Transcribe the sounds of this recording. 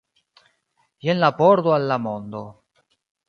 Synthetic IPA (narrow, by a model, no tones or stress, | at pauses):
jenlapɔɾd̪oalːamond̪o